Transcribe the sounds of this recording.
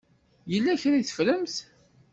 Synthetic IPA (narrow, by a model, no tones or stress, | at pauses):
jəlːæçɾiθə̥fləmθ